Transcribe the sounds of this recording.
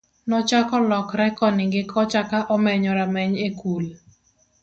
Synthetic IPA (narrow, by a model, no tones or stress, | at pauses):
nɔt͡ʃakɔlɔkɾɛkɔnɪɡɪkʰɔt͡ʃakaʔɔmɛɲɔɾamɛɲekul